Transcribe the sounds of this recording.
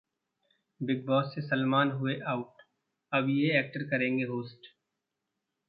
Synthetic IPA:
bɪɡ̚bɔːsːesɐlmaːnɦʊeʔaːʊʈ | ɐbjeɛːk̚ʈəɾkɐɾẽːŋɡeɦoːsʈ

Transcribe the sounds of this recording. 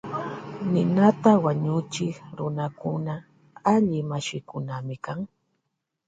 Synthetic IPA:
nɪnat̪awaɲʊt͡ʃɪkɾʊnakʊna | aʎɪmaʃɪkʊnamɪkaŋ

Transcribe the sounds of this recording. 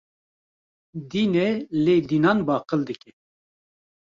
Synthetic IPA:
d̪iːnɛleːd̪iːnɑːnbɑːqəld̪ɨkʲɛ

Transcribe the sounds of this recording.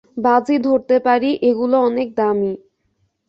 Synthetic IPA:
bad͡ʑid̪ʱoɾt̪epaɾiʔeɡuloɔnek̚d̪ami

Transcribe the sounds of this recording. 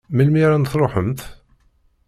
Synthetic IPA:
məlmiɾænt̪θɾˤoħəmt̪

